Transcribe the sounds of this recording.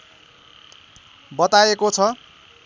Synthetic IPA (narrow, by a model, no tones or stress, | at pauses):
bʌt̪aekot͡sʰʌ